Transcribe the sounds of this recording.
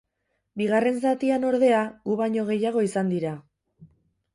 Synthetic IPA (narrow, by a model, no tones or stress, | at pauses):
biɣ̞are̞ns̬at̪iano̞ɾðe̞aɣuβaɲo̞ɣ̞e̞jaɣ̞o̞isand̪iɾa